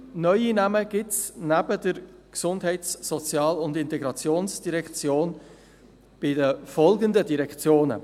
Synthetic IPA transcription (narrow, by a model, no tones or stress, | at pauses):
nœʏinæməɡ̥ɪtsnæb̥ədəɾksʊndɦɛɪtsːɔt͡sjɑːlʊndɪnt̪ɛɡɾɑt͡sjoːnsd̥iɾɛkt͡sjoːn | b̥ɪdəfɔlɡəndədiɾɛkt͡sjoːnə̰